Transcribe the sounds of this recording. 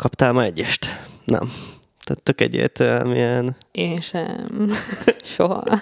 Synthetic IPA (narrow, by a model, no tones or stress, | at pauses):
kɒpt̪aːlmɒɛɟːɛʃt̪nɛ̰m | t̪æt̪ːøkɛ̰ɟḛːt̪øɛ̰mijɛneːʃɛ̰m | ʃoɦɒ̰